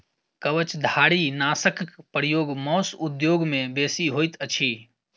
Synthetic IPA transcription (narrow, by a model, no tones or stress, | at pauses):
kəʋət͡ʃd̪ʱaːɽinaːsəkkpəɾijoːɡmɔːsʊd̪joːɡmẽbeːsiɦoːjt̪ət͡ʃʰiː